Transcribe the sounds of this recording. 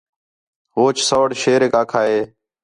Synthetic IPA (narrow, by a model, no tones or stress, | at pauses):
ɦoːt͡ʃsəʋɽʃeːɾeːkaːkʰaːɦeː